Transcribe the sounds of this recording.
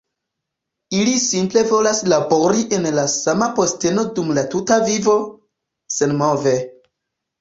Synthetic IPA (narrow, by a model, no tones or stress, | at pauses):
ilisimple̞vo̞laslabo̞ɾiʔe̞nlasamapo̞ste̞no̞dumlatutavivo̞ | senmove